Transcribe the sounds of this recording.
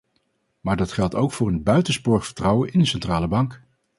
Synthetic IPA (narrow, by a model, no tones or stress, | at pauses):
maːɹdɑtχɛlˠtowkfʊːɹənbœɥtənspʊɹχfə̥ɹtrɑwənɪndəsɛntraːləbɑŋk